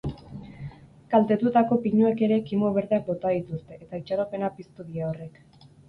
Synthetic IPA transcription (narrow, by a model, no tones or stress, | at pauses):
kalt̪e̞t̪ut̪ako̞piɲueke̞ɾe̞kimo̞β̞e̞ɾðeak̚bo̞t̪aðit̪ust̪e̞ʔːt̪ait͡ʃaɾo̞pe̞napist̪uðiaore̞k